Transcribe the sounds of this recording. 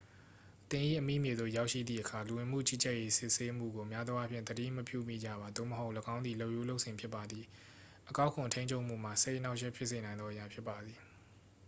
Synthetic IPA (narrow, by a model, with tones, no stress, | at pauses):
t̪ɪ̃˨ʔḭ˦˨ʔəmḭ˦˨mje˨d̪o̰˦˨ja˦ʊʔʃḭ˦˨d̪ðḭ˨ʔəkʰa˨lu˨wɪ̃˨m̥ṵ˦˨t͡ɕḭ˦˨t͡ɕɛ˦ʔje˦sɪ˦ʔse˦m̥ṵ˦˨ɡo˨ʔmja˦d̪wa˦pʰjɪ̃˦˨d̪ədḭ˦˨məpjṵ˦˨mḭ˦˨d͡ʑa̰˦˨βa˨d̪o̰˦˨məɦo˦ʊʔləɡã˦ʊ̃nd̪ði˨lo˦˨ʔju˦˨lo˦ʊʔsɪ̃˨mpʰjɪ˦pːa˨d̪ði˨ | ʔəka˦ʊkʰʊ̃˨ntʰẽ˦ɲt͡ɕʰo˦ʔm̥ṵ˦˨m̥a̰˦˨se˦ɪʔəna˦ʊʔʃ̬ɛ˦˨pʰjɪ˦ʔse˨nã˨ɪ̃nɔ˦ʔəja˦˨pʰjɪ˦pːa˨d̪ði˨